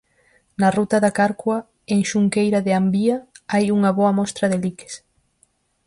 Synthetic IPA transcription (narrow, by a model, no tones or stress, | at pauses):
nɐrut̪ɐðakaɾkwɐ | eŋʃuŋkejɾaðɪambiaajuŋɐβɔɐmɔst̪ɾɐðelike̥s